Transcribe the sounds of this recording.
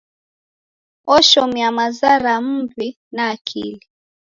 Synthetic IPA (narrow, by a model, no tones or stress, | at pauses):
ɔʃɔmijamazaɾam̩vi | naːkʰḭli